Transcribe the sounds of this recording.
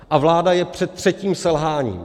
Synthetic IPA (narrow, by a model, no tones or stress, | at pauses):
ʔavlaːdajɛpr̝̥ɛt̪̚ːr̝̥ɛciːmsɛlɦaːɲḭːm